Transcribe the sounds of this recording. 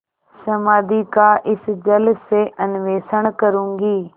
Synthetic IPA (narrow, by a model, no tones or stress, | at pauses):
səmaːd̪ikaːʔɪsd͡ʒəlseʔənɪʋeːsəɳkəɾũːŋɡiː